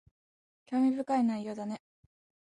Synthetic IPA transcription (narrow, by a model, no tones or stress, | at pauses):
kʲo̞ːmʲibɯ̟kainaijːo̞ːd̪ane̞